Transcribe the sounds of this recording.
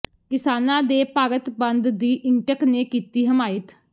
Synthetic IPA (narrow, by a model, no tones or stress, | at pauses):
kɪsaːnãːd̪eːpaːɾət̪bənd̪d̪iːʔɪŋʈəkneːkiːt̪iːɦəmaːɪt̪